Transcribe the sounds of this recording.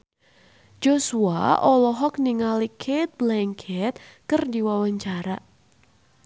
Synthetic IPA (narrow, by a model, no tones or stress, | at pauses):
d͡ʒosua̰ʔɔlɔɦɔk̚niŋalikʰet̪̚blaŋkʰɛt̪̚kɨrdiwawaɲt͡ʃaɾa